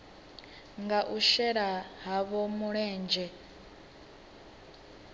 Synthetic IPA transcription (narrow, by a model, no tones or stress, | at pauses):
ŋɡaʔuʃɛɺaɦaβɔmuɺɛːnd͡ʒɛ